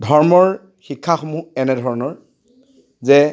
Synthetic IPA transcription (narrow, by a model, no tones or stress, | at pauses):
dʱɔɹmɔɹ | xikʰːaxɔmuɛnɛdʱɔɹɔnɔɹ | zɛ